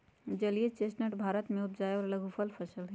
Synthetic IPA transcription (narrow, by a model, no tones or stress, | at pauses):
d͡ʒɐliet͡ʃeːsʈnəʈbʱaːɾət̪mẽʊt̪d͡ʒaːeɔːɾɐləɡupʰəlpʰəsəlɦɛ